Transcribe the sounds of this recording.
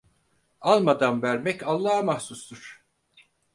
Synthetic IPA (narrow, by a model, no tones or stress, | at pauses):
alˠmad̪anvæɾmɛcalˠːaːamahsust̪ʰuɾ̥